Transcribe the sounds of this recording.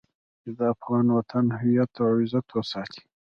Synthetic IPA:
t͡ʃed̪əafɣɑnwat̪ʰanhajat̪awɪzat̪wəsɑːt̪ʰi̥

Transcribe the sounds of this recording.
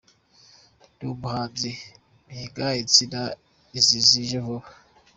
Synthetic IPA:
d̥ubuhaːnd͡zi | miɡait͡sina | iziziʒevo

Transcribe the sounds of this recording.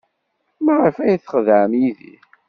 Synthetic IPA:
mæʁəɾfæjθə̥χðʕəmjiðḭ

